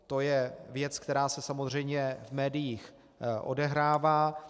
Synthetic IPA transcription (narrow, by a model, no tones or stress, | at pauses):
t̪o̞jɛvjɛt͡skt̪ɛɾaːsɛsamozr̝ɛjmɲɛvmɛːdɪjix | ʔo̞̰dɛɦɾaːvaː